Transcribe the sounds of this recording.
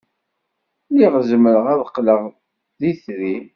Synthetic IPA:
liʁzəməɾəʁæðəqːləʁ | ðiθɾi

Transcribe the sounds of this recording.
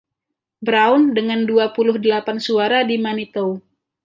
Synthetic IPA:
bɾaʊndəŋanduapulʊhdəlapansuaɾadimanit̪ow

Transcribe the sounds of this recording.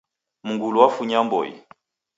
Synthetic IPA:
muŋɡuluwafuɲambɔ̰jḭ

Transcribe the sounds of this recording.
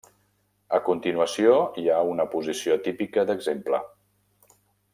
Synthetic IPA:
əkunt̪inuəsioiaunəpuzisiot̪ipikəd̪əɡzemplə̰

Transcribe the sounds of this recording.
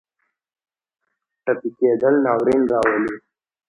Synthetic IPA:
ʈəpikeːd̪əlnɑːwɾinɾɑːwəli

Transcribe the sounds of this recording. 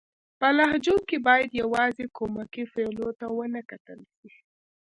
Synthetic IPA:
pəlahd͡ʒokebɑjad̪jawɑzekomakifelot̪awənakat̪əlʃi

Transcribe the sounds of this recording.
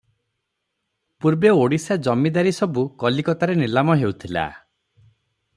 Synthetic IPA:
puɾbeoɽisad͡ʒɔmid̪aɾisɔbukɔlikɔt̪aɾenilamɔɦeut̪ʰila̰

